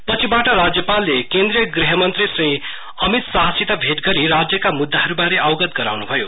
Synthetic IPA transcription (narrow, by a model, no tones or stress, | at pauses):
pʌt͡sʰibaʈʌɾad͡zjʌpalːekend̪ɾijʌɡriɦʌmʌnt̪risrĩ | ʌmit̪saɦʌsit̪ʌbʱeʈɡʌɾiɾad͡zjʌkamud̪ːaɦʌɾubaɾeʔawɡʌd̪̚ɡʌɾa̰wnubʱʌjo